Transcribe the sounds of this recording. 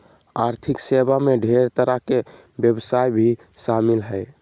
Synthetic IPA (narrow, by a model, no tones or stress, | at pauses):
aɾt̪ʰiksebameɖʱeɾt̪əɾake | bjebsajbʱi | samilɦəj